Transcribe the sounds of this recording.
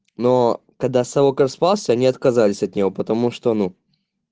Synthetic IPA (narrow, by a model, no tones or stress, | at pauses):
no | kɐɡd̪asɐvokəɾspalˠsʲəɐnʲiɐt̪kɐzalʲɪsʲɐt̪nʲɪvo̞pət̪ɐmuʂt̪onu